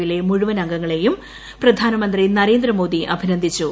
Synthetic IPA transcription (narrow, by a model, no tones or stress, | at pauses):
ile̞muɻuʋɐnɐŋɡɐŋːɐɭe̞jum | prɐd̪ʱaːnɐmɐnd̪rinɐɾe̞ːnd̪rɐmo̞ːd̪iʔɐbʱinɐnd̪ʱit͡ɕːu